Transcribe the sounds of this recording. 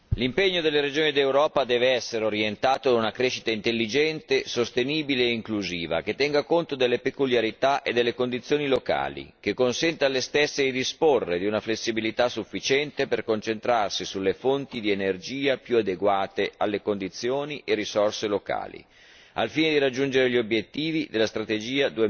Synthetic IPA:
limpeɲːod̪elːeɾed͡ʒoːnid̪ewɾɔːpad̪ɛːveɛsːeɾeoɾjent̪aːt̪od̪unakɾeːʃit̪aint̪elːid͡ʒɛnt̪esost̪eniːbileːiŋkluziːva̰k̟et̪ːɛŋɡakont̪od̪elːepekuljaɾit̪aʔed̪elːekond̪it̪sːjoːniloka̰ːlḭkekːonsɛnt̪alːest̪esːed̪id̪isporːed̪iunaflesːibilit̪asufːit͡ʃɛnt̪eperkont͡ʃent̪ɾarsisulːefont̪id̪ienerd͡ʒiːapjuad̪eɡwaːt̪ealːekond̪it̪sːjoːniʔerisorseloka̰ːlḭ | alfiːned̪iɾad͡ʒːund͡ʒeɾeʎiobjet̪ːiːvid̪elːast̪ɾat̪ed͡ʒiːad̪ue

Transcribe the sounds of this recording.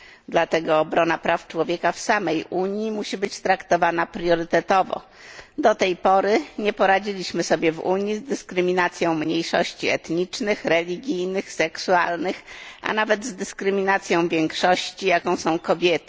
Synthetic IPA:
d̪lat̪ɛɡɔːbɾɔnapɾaft͡ʂwɔvʲjɛkafsamɛjʔuɲjimuɕibɘt͡ɕt̪ɾakt̪ɔvanapɾjɔɾɘt̪ɛt̪ɔvɔ̰ | d̪ɔt̪ɛjpɔɾɘɲɛpɔɾad͡ʑilʲiɕmɘsɔbʲjɛvṵɲjizd̪ɘskɾɘmʲinat̪sʲjɔ̃w̃mɲejʂɔ̰ɕt͡ɕiɛt̪ɲit͡ʂnɘxɾɛlʲiɡʲijnɘxsɛksualnɘxʔa̰navɛd̪zd̪ɘskɾɘmʲinat̪sʲjɔ̃w̃vʲjɛŋkʂɔɕt͡ɕijakɔ̃w̃sɔ̃w̃kɔbʲjɛt̪ɘ̥

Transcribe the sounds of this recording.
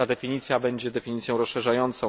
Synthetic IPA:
ad̪ɛfʲiɲit̪sʲjabɛɲd͡ʑɛd̪ɛfʲiɲit̪sʲjɔ̃w̃ɾɔsʂɛʐajɔnt̪sɔ̃w̃

